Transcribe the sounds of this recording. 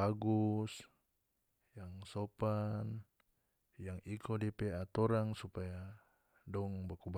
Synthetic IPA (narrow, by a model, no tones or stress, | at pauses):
aɡus | jaŋsɔpan | jaŋikʰɔdiɛpɛat̪ɔɾaŋsupaja | dɔŋbakub